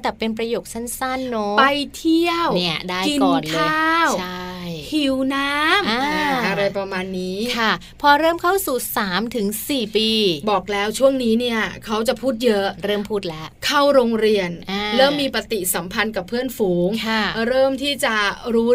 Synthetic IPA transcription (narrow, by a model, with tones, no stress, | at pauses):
t̪ɛː˨˩pe˧np̬ɾa˧joː˨˩k̚sa˥˩nsa˥˩nːo˦˥pa˧jt̪ʰi˥˩əwni˦˥˩ɐdaː˥˩ki˧kɔː˨˩nlʰːaː˥˩wa˥˩jhʰi˨˩˦wnaː˦˥maː˧ʔa˧ɾa˧jpɾa˧maː˧nːiː˦˥kʰa˥˩ | pʰɔː˧ɾɤː˥˩mkʰa˥˩wsuː˨˩saː˩˦mt̪ʰɯ˩˦ŋsiː˨˩piː˧bɔː˨˩k̚lɛː˦˥wt͡ɕʰu˥˩əŋniː˦˥ni˥˩ɐəkʰa˦˥wt͡ɕa˨˩pʰuː˥˩t̪̚jɤ˦˥ʔɾɤː˥˩mpʰuː˥˩t̪̚lɛː˦˥kʰa˥˩wɾoː˧ŋɾi˧ən˧ɾɤː˥˩mːiː˧pa˧˩t̪i˨˩sa˩˦mpʰa˧nka˨˩pʰːɯ˥˩ənfuː˩˦ŋkʰa˥˩ɾɤː˥˩mt̪ʰiː˥˩t͡ɕa˨˩ɾuː˦˥